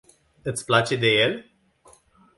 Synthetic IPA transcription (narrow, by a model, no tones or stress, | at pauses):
ɨt̪sʲplat͡ʃe̞d̪e̞je̞l